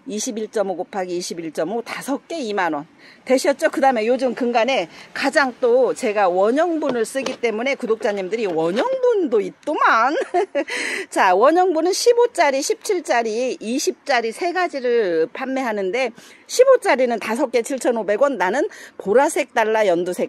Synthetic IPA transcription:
iɕʰibiɭt͡ɕ͈ʌmoɡopʰaɡiːɕʰibiɭt͡ɕ͈ʌmotasʰʌk̚k͈e̞imanwʌnte̞ɕʰʌt̚t͡ɕ͈okɯdame̞jod͡ʑɯmkɯŋɡane̞kad͡ʑaŋt͈ot͡ɕe̞ɡawʌɲʌŋbunɯɭs͈ɯɡit͈e̞mune̞kudok̚t͡ɕ͈aɲimdɯɾiwʌɲʌŋbundoit̚t͈oman | t͡ɕawʌɲʌŋbunɯnɕʰibot͡ɕ͈aɾiɕʰip̚t͡ɕʰiɭt͡ɕ͈aɾiːɕʰip̚t͡ɕ͈aɾisʰe̞ɡad͡ʑiɾɯɭpʰanːe̞ɦanɯnde̞ɕʰibot͡ɕ͈aɾinɯntasʰʌk͈e̞t͡ɕʰiɭt͡ɕʰʌnobe̞ɡwʌnːanɯnpoɾasʰe̞k̚t͈aɭːajʌndusʰe̞k̚

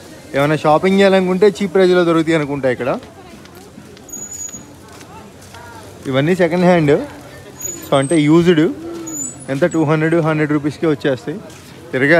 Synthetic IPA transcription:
eːʋɐjnaːʃaːpiŋd͡ʒɛːjalɐnkuɳʈe̞ːt͡ʃiːpːɾɐd͡ʒɐloːd̪ɐɾuɡut̪̬iɐnukuɳʈaːjikːɐɽa | iʋɐnːisɛkɐɳɖɦaːɳɖ | soːɐɳʈe̞ːjuːd͡ʒuɽu | ent̪ɐʈuːɦɐndɾeɖuɦɐnd̪ɾeɖɾuːp̬iːskiʋɐt͡ʃːeːst̪ei | t̪iɾɐɡaː

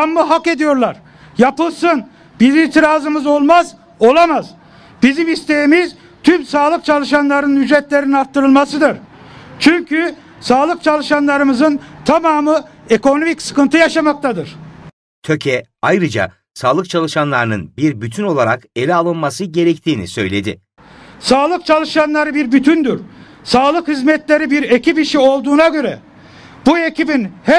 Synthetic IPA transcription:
amːɯɦake̞d̪ijo̞ɾlˠaɾ | japɯlˠsɯn | b̥izilt̪ʰiɾaːzɯmɯzo̞lˠmaz | o̞lˠamaz | b̥izimist̪e̞jimiz | t̪ʰymsaːlˠɯk̚t͡ʃʰalˠɯʃanlˠaɾnɯnyd͡ʒɾɛt̪lʲe̞ɾininaɾt̪ʰːɯɾɯlˠmasɯd̪ɯɾt͡ʃʰyɲcʰy | saːlˠɯkt͡ʃʰalˠɯʃanlˠaɾɯmɯzɯnt̪ʰamaːmɯeko̞no̞micsɯ̥kɯnt̪ʰɯjaʃamak̚t̪ʰad̪ɯɾ̥ | t̪ʰøcʰɛ | ajɾɯd͡ʒa̰ | saːlˠɯk̚t͡ʃʰalˠɯʃanlˠaɾɯnɯnbiɾbyt̪ʰyno̞lˠaɾake̞lʲɛalˠɯnmasɯɟe̞ɾɛct̪ʰiːnḭsø̞jlʲe̞d̪i | saːlˠɯk̚t͡ʃʰalˠɯʃanlˠaɾɯbiɾbyt̪ʰynd̪yɾ | saːlˠɯkhizmɛt̪lʲe̞ɾibiɾecipiʃio̞lˠd̪uːnaɟø̞ɾɛ | b̥ue̞cibinhɛ

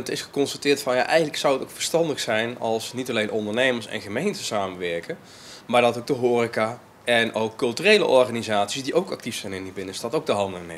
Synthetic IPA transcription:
ətɪsχə̥kɔnstatɪːɹtfɑnja̰ʔɛjχənləksʌwətowkfəɹstɑndəχsɛjnɑlˠsnitɑlejnʔɔndəɹnejməɹsɛ̰nχəmejntəsaːmənʋɛɹkən | maːɹdɑtowɡ̚dəɦoːrika | ɛnowkːɵlˠtyrejlə̰ʔɔɹχaːnizaːtsisdiʔowkɑ̰k̚tifsɛjnɪndibɪnənstɑtowɡdəɦɑndnḛ

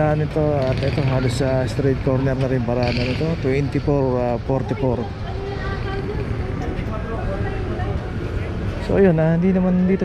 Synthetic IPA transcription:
anɪt̪oat̪ɛt̪oɦalʊsːast̪ɾɛt̪̚kɔɾnɛɾnaɾɪmpaɾananɪt̪ot̪uɪnt̪ipɔɾapɔɾt̪ɪpɔɾ | so̰jonand̪inamand̪it̪o

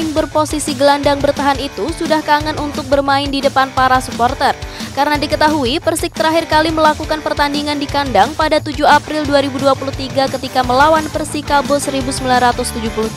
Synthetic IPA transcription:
ɪŋbərposisiɡəlandaŋbərt̪aɦanit̪usudahkaŋanunt̪ʊk̚bərmaɪndidəpanpaɾasupɔrt̪ərkaɾənadikət̪aɦuipərsɪk̚t̪əɾaɦɪrkaliməlakukanpərt̪andiŋandikandaŋpadat̪ud͡ʒuɦapɾɪlduaɾibuduapuluht̪iɡakət̪ikaməlawanpərsikabosəɾibusəmbilanrat̪ʊst̪ud͡ʒupuluh̪

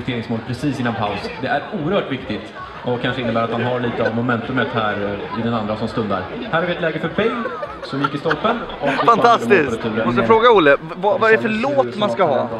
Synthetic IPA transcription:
t̪eːɾɪŋsmoːlpʰɾɛsiːsɪnːanpʰaʊsd̪ɛʔæɾuːəɾhœːʈvɪkt̪ɪt̪ | ʔɔkʰːanʂəɪnːəbæːɾat̪manɦaɾɭiːt̪əavmʊmɛnt̪ɵmət̪hæːɾɔɪd̪ɛnand̪ɾasɔmst̪ɵnd̪a̰ɾ | hæːɾaɾvɪɛt̪lɛːɡəfœɾfɛjl | sɔmjɪkːɪst̪ɔlfən | ɔfant̪ʰast̪ɪst̪ʰʉːɾəmɔst̪əfɾoːɡaʊlːə | vavaɛɛfœɭoːt̪manskaɦɑː

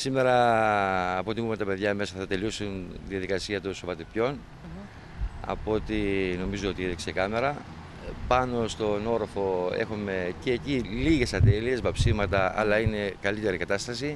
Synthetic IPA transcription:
sime̞ɾɐː | pot̪imumet̪ɐpe̞ðʝɐme̞sɐθɐt̪elusunðiɐðikɐsiɐt̪usovɐt̪ipço̞n | ɐ̰po̞t̪ino̞mizoot̪ieðiksekɐme̞ɾɐ | pɐno̞st̪o̞no̞ɾofo̞e̞̰xome̞ceːciliʝe̞sɐt̪e̞lie̞zvɐpsivmɐt̪ɐɐ̰lɐine̞kɐlit̪e̞ɾikɐt̪ɐst̪ɐsi

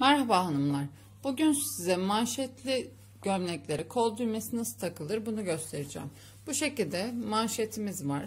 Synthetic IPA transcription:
mæɾhabaɦanɯmlˠaɾ̥ | b̥uɟynsizɛmanʃɛt̪lʲi | ɟ̥ømnʲɛclʲe̞ɾikʰo̞lˠd̪ujmesinasɯ̥t̪ʰakɯlˠɯɾbunuɟø̞st̪ʰe̞ɾid͡ʒæ̰ːm | b̥uʃe̞cilʲd̪ɛmanʃet̪ʰimizvaɾ̥

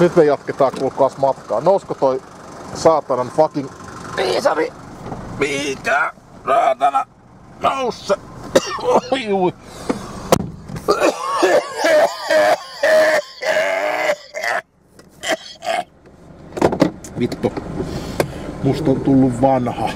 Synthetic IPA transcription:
nyt̪mejɑt̪ket̪ɑːkulkɑsmɑt̪kɑːnouskot̪oi | sɑːt̪ɑnɑnfɑkinʋiːsɑriʋiːikæː | rɑːt̪ɑnɑ | nousːe | juː | ʋit̪ːo | must̪ɑt̪ulːuʋʋɑnhɑ

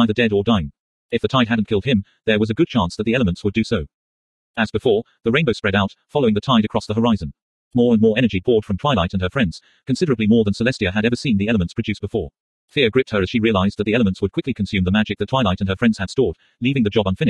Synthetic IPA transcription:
aɪðə˞dɛɾə˞dãɪ̃ŋ | ɨfðɨtʰaɪd̚ɦædⁿn̩kʰɪlˠd̚ɪ̃m | ðə˞wʌzɨɡʊd̚t͡ʃʰæ̃nsðɨt̪̚ðiɛlˠəmə̃ntswədɨsoʊ | ɨzbɨfɔɹ | ðɨɹẽɪ̃nboʊspɹɛɾaʊtfɑlˠoʊ̃ŋðɨtʰaɪɾɨkʰɹ̥ɑsðəɦə˞aɪzɨ̃n | mɔɹə̃nmɔɹɛnə˞d͡ʒibʰɔɹd̥fɹʌ̃mtʰw̥aɪlaɪɾɨ̃nə˞fɹɛ̃ndz̥ | kɨ̃nsɪɾə˞ɨblimɔɹðə̃nsəlɛstiɨɨɾɛvə˞sĩnðiɛlˠəmɨ̃ntspʰɨdʉsb̥ɨfɔɹ | θɪə˞ɡɹɪp̚t̚hə˞ɨz̥ʃiɹiɨlaɪzðɨt̪̚ðiɛlˠəmə̃ntswəd̚kʰɪklikʰɨ̃n̩sʉ̃mðəmæd͡ʒɨk̚ðɨtʰw̥aɪlaɪɾɨ̃nə˞fɹɛ̃ndz̥ɨd̥stɔɹd̥ | livɪ̃ŋðɨd͡ʒɑbʌ̃nfɪ̃nɨ

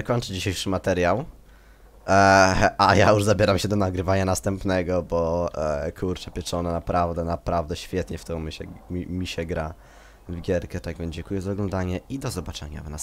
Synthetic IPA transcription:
kɔɲt͡ʂɘd͡ʑiɕejʂɘmat̪ɛɾjaw | ajajuʐzabʲjɛɾamɕɛd̪ɔnaɡɾɘvaɲanast̪ɛmpnɛɡɔbɔkʰuɾt͡ʂɛpʲjɛt͡ʂɔnɛnapɾavd̪ɛnapɾavd̪ɛɕfʲjɛt̪ɲɛft̪ɔ̃w̃mʲɕɛmʲimʲiɕɛɡɾa | vɡʲjɛɾkɛt̪aɡvʲjɛnd͡ʑɛŋkujɛzaɔɡlɔnd̪aɲɛid̪ɔzɔbat͡ʂɛ̰ɲa̰vna̰s

